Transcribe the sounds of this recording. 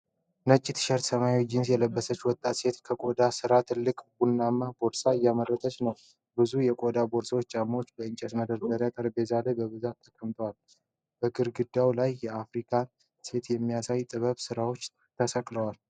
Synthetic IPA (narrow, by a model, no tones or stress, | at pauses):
nət͡ʃʼːɪt̪ʰɨ̥ʃəɾt̪səmajwd͡ʒɪns̬jɛləbːəsət͡ʃːwɔt̪ʼːat̪se̞t̪kʰəkʼod̪asɨɾat̪ʰɨlːɨkʼbunːamːabo̞ɾsajamərət̪ʰət͡ʃnəw | bɨzujɛkʼod̪abo̞ɾswot͡ʃːt͡ʃʼamːot͡ʃːbəɨnt͡ʃʼɛsməd̪əɾt̪əɾjakʼəɾbe̞zalebəβɨzat̪ʰːəkʼəmt̪ʰəwal | b̥əɡɨɾɡɨd̪ːawlajːɛafɾikʰa | se̞t̪jɛmːijasajt̪ʼɨβəβsɨɾawo̞t͡ʃː | t̪ʰəsəkʼləwal